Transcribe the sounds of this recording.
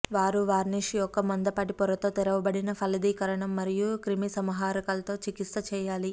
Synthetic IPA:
ʋaːɾuʋaːɾniʃijɔkːɐmɐnd̪ɐpɐʈipɔɾɐt̪o̞ːt̪iɾɐʋɐbɐɽinɐpʰɐlɐd̪iːkɐɾɐɳɐmːɐɾijukɾimisɐmɐɦaːɾɐkɐlɐt̪o̞ːt͡ʃikit̪sɐt͡ʃɛːjaːli

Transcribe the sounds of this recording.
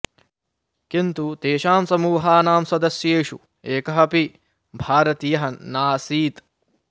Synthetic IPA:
kint̪ut̪eːʃaːmsɐmuːɦaːnaːmsɐd̪ɐsjeːʃu | eːkɐɦɐpi | bʱaːɾɐt̪ijɐɦɐnaːsiːt̪

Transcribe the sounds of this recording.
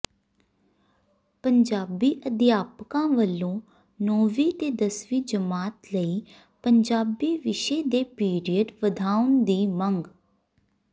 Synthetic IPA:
pəɲd͡ʒaːbiːʔəd̪jaːpkãːʋəlːõː | noːʋiːt̪eːd̪əsʋiːd͡ʒəmaːt̪ləiː | pəɲd͡ʒaːbiːʋɪʃeːd̪eːpiːɾijəɖʋəd̪ʱaːʊnd̪iːməŋɡ

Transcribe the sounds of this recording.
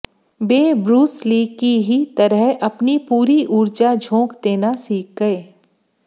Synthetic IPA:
beːbɾuːsliːɡkiɦit̪ɐɾəɦɐpnipuːɾiʔuːɾd͡ʒad͡ʒʱõːkd̪eːnasiːk̚ɡɐeː

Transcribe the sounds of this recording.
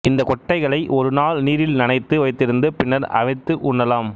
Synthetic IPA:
ɪnd̪ɐkɔʈːɐɪɣɐɭɐɪʔɔɾɯnaːlniːɾɪlnɪnɐɪt̪ːɯʋɐɪt̪ːɪɾɯnd̪ɯpɪɳːɐɾɐ̰ʋɐɪt̪ːɯʔʊɳːɐlaːm

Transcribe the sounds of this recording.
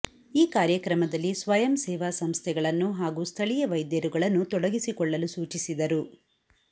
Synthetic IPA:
iːkaːɾjɐkɾɐmɐd̪ɐlːisʋɐjɐmsɛːʋaːsɐmst̪ʰɛɡɐɭɐnːuɦaːɡuːst̪ʰɐɭijɐʋɐjd̪jɐɾuɡɐɭɐnːut̪ɔɽɐɡisikɔɭːɐlusuːt͡ʃisid̪ɐɾu

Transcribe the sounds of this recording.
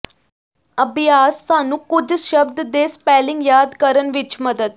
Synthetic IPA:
əbjaːsːaːnũːkʊd͡ʒʃəbd̪d̪eːspɛːlɪ̃ŋɡjaːd̪kəɾənʋɪt͡ʃməd̪əd̪̚

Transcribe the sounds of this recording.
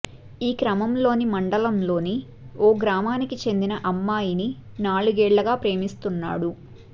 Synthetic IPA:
iːkɾɐmɐmlo̞ːnimɐɳɖɐlɐmlo̞ːni | ɔːɡɾaːmaːnikit͡ʃe̞nd̪inɐʔɐmːaːjini | naːluɡɛːɭːɐɡaːpɾe̞ːmist̪unːa̰ːɽu

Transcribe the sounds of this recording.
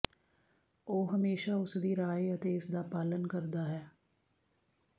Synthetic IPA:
oːɦəmeːʃaːʊsd̪iːɾaːiət̪eːɪsd̪aːpaːlənkəɾd̪aːɦɛː

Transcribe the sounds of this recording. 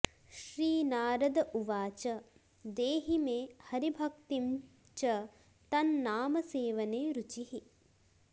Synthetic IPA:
ʃɾiːnaːɾɐd̪ɐʔuʋaːt͡ʃɐ | d̪eːɦimeːhɐɾibʱɐkt̪im | t͡ʃɐ | t̪ɐnːaːmɐseːʋɐneːɾut͡ʃiɦi

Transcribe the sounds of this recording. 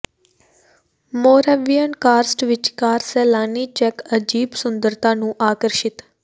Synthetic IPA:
moɾaʋijənkaːɾsʈʋɪt͡ʃkaːɾselaːnit͡ʃɛkəd͡ʒiːbsʊnd̪əɾt̪ʰanũʔaːkəɾʃɪt̪

